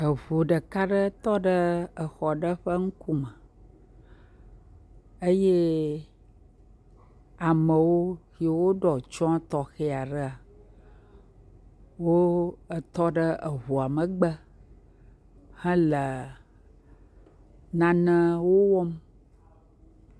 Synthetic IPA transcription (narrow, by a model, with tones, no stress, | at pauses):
ə˨vu˨ɖə˨ka˦ɖə˦t̪ɔ˦ɖə˦ə˨xɔ˨ɖə˦ɸə˦ŋ̩˦ku˦mə˨ | ə˦je˦ | a˨mə˨wo˦xi˨e˨wo˦ɖɔ˨t͡ʃɔ̃˦a˦t̪ɔ˨xe˦a˨ɖə˦a˨ | wo˦ə˨t̪ɔ˦ɖə˦ʔə˨ɦu˨a˨mə˨ɡ͡bə˦ | hə̃˦lə˨ | nã˨nə̃˦wo˦wɔ˦m